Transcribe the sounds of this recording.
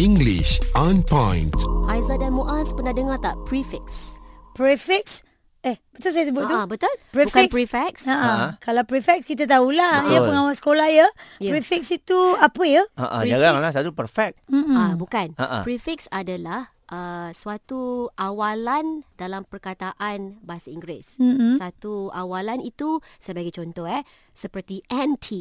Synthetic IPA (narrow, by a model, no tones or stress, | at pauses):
ĩŋɡlḭʃãnpɔ̃jnthajzadanmuʔaspənadəŋat̪apɾifɛkspɾifɛk̚s | ɛhbət̪uls̬ajas̬əbʊt̪̚t̪ubət̪ulpɾifk̚pifɛk̚saʔakalawpɾifɛk̚skit̪̬at̪̬aulahjəpəŋawasə̥kolahjəpɾifɛk̚sit̪uapəjəa̰ʔa̰d͡ʒaɡaŋlahs̬at̪upəɾfɛk̚abukanaʔa̰pɾifik̚sadalah | ʔəswat̪uʔawalandalampərkat̪aʔanbaasaiŋɡɾes̩sat̪uawalanit̪usəjbaɡajt͡ʃɔnt̪ɔhɛ | səpərt̪iʔɛntʰi